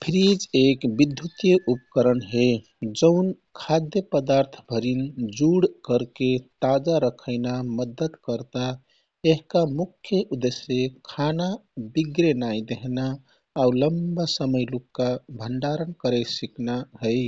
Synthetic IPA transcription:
pʰɾid͡ʒekbid̪ʱjut̪jəʔupkəɾənɦe | d͡ʒəʊn | kʰad̪jəpəd̪aɾt̪ʰbʱəɾind͡ʒuɽkəɾket̪ad͡ʒaɾəkʰəɪnaməd̪ət̪kəɾt̪a | eɦkamukʰjəʔud̪esekʰanabiɡɾenajd̪eɦnaː | uləmbasəməjlukːabʱəɳɖaɾənkəɾəsiknaɦəɪ

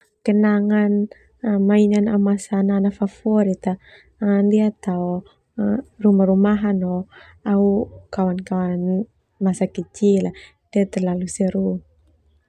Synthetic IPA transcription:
kənaŋan | mainanaumasananafafɔɾit̪a | ndiat̪aɔ | rumaɾumaɦanɔ | aukawankawan | masakit͡ʃila | d̥iat̪ɛrlalusɛɾu

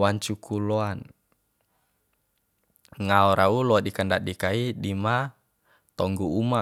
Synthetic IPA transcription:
aɲt͡ʃukuloan | ŋaɔɾʔaulɔadikəndaʔ̚dikaiɗima | t̪ɔŋɡuuma

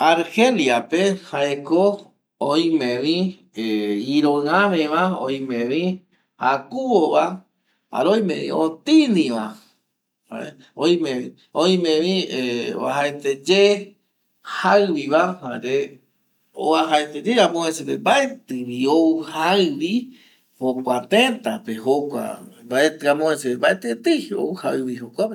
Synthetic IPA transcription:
aɾheliapehaeko | ojĩmẽʋi | eiɾõɨ̃ãmẽʋaoj̃mẽʋi | akuwoβa | a̰ɾojmḛ̃βḭ̃ot̪inĩʋa | a̰ | oj̃mẽi | oj̃mẽʋiḛβa̰ɦaet̪ed͡ʒe | haɨβiβahaɾe | o̰aɦaet̪ed͡ʒeɾamõhesepembaet̪ɨβiouhaɨβi | hokʷat̪ẽt̪apehokʷa̰baet̪ɨɾamõeseebaet̪ɨt̪ɨo̰uhaɨβihokʷape

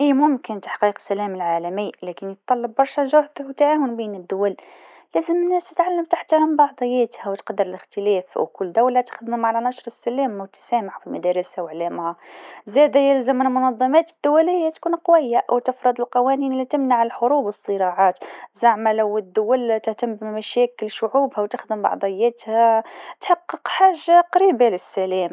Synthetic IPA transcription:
ʔimʊmkənt̪ḁħqiːqsælæməlʕalæməjːlækənjət̪ˤːɑlːɑb̚ːɑɾˤʃæʒʊhd̪əhwt̪ʕawənbinəd̪ːʊwæl | læzəmənːæst̪ət̪ʕalːəmt̪aħt̪ɑɾˤɑmbɑʕd̪ˤəjːæt̪hæwt̪qɑd̪ːəɾəlɪxt̪əlæfwkʊlːd̪æwlæt̪ə̥xəd̪mmaʕalænɑʃɾˤəsːælæmwt̪sæmaħfilmæd̪æɾəsawəʕlæmhæzɛd̪æjɪlzamːɪnlmʊnɑðˤːɑmɑt̪əd̪ːʊwælɪjːat̪kuːnqwɪjːaʔwt̪ɪfɾˤɑd̪ˤəlqɑwæniːnlːit̪ɪmnaʕəlħʊɾuːbwəsˤːɨɾɑʕɑːt̪zaʕmalawəd̪ːʊwælt̪ɪht̪ambmæʃɛːkɪlʃʊʕuːbhæwt̪ɪxd̪əmbɑ̰ʕd̪ˤɑjːæːt̪hæt̪ħɑqːəqħaːʒːaqɑɾiːbalɪsːælɛːm

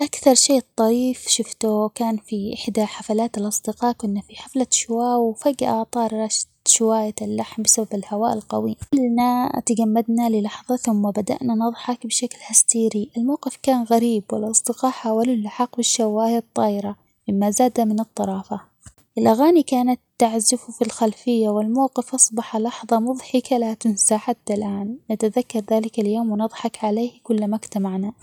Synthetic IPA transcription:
ʔakθɑɾˤʃeːt̪ˤːɑɾiːfʃɪft̪ʊkaːnfiʔɪħd̪aħafalaːt̪alʔɑsˤd̪ɪqɑːʔkʊnːafiħaflaʃʊwaːwfaɡʔɑʕt̪ˤɑːɾˤɾˤɑːʃd̪ʃʊwaːjaɪlːaħmbɪsababɪlhawaːʔɪlqɑwiːlnat̪aɡamːad̪nalɪlɑħðˤɑθʊmːabad̪a̰ʔnanɑðˤħɑkbɪʃaklhast̪iːɾiʔɪlmawqɪfkaːnɣaɾiːbwɪlʔɑsˤd̪ɪqɑːʔħaːwalʊlːaħɑqbɪʃːawaːjt̪ˤːɑːʔɪɾa | mɪmːazaːd̪amɪnɨt̪ˤːɑɾˤɑːfa | ʔɪlʔaɣaːnikaːnat̪ːaʕzɪfufilxalfɪjːawɪlmawqɪfʔɑsˤbɑħalɑħðˤɑmʊðˤħɪkalat̪ɪnsaħat̪ːalʔaːnːat̪aðakːɑɾˤðaːlɪkaljoːmwnɨðˤħɑkʕaleːhkʊlːmakt̪amaʕna

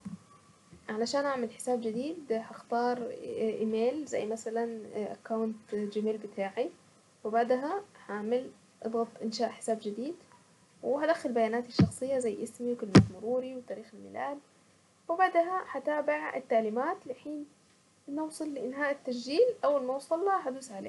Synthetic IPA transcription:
ʕalaʃaːnʔaʕmalħɪ̥saːbd͡ʒɪd̪iːd̪haxt̪ɑːɾˤʔiːmeːlza̰jːmasalanʔa̰kːawnt̪d͡ʒamiːlbɪt̪ʰaːʕi | wɪbaʕd̪ɦaħaʕmɪl | ʔɨ̰d̪ˤɣɑt̪ˤʔɪnʃaːʔħɪ̥saːbd͡ʒɪd̪iːd̪ | wɪhad̪axːalbajaːnaːt̪iʃːɑxsˤɨjːazajːʔɪsmiwkɪlmat̪mʊɾuːɾiwt̪aːɾiːxalmɪlaːl | wɪbaʕd̪ɦaħat̪aːbɪʕɪ̰t̪ːaʕliːmaːt̪lɪħiːn | nːɑwsˤɨlːɪʔɪnhaːʔɪt̪ːaʃʒiːlʔawːalmawsˤɑlːɑɦad̪uːsʕalḛː

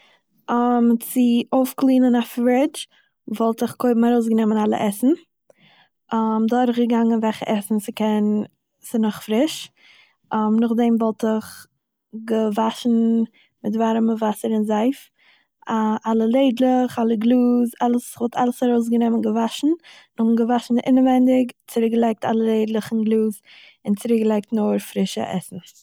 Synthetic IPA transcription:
amt͡sɪʔoʊfklˠiːnənafɾɛt͡ʃ | vɔlˠtɪχkʰoɪbm̩aɾoʊs̬ɡənɛmənalˠə̰ʔɛsn̩ | ʔamdʊɾχɡəɡaŋənvɛlχə̰ʔɛsn̩sɪkɛn | sɪnʊχfɾɪʃ | ʔmnʊχdɛmvɔlˠtɪχ | ɡəvaʃn̩ | mɪtvaɾməvasəɾɪnzaɪf | ʔalˠəlˠeɪdlˠəχalˠəɡlˠuːzalˠəsvɔlˠtʰalˠəsaɾoʊs̬ɡənɛmənɡəvaʃn̩ | nʊmɡəvaʃn̩ʔɪ̰nəvɛndɪkt͡səɾɪkɡəlˠaɪk̚ta̰lˠəlˠeɪdlˠəχn̩ɡlˠuːz | ɪnt͡sɪɾɪkɡəlˠaɪk̚tnʊːɾfɾɪʃə̰ʔɛ̰sn̩s

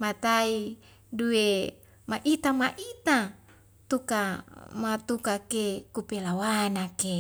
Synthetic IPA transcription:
mat̪ai | due | maʔit̪amaʔit̪a | t̪ukamat̪ukakekupelawanake

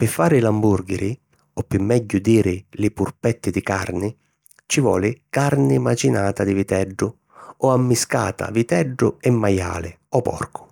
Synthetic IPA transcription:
pɪfːaːɾɪlamburɡɪɾɪ | ɔpːɪmːɛɟːʊd̪iːɾɪlɪpurpɛt̪ːɪd̪ɪkarnɪ | t͡ʃivɔ̰ːlɪkaɾnɪmat͡ʃinaːt̪ad̪ɪvit̪ɛɖːʊ | ɔamːiska̰ːt̪a̰vit̪ɛɖːʊ̰ɛmːaja̰ːlɪ | ɔpɔ̰rkʰʊ̥

